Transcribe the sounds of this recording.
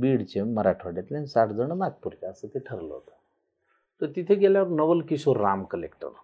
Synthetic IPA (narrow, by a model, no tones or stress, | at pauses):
biːɽt͡ɕeməɾaʈʰoɽjat̪lãnsaʈʰd͡zəɳ̃əmat̪̚puɾkaəsət̪eʈʰəɾlə̰ɦo̰t̪ə̥ | t̪əɾt̪it̪ʰeɡeljaʋəɾnəʋəlkisoɾːamkəlḛkʈə̰ɾ